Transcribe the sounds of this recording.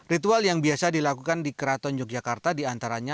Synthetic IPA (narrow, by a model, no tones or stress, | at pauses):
rit̪ualjaŋbiasadilakukandikəɾat̪ɔnd͡ʒɔk̚d͡ʒakart̪adiant̪aɾaɲa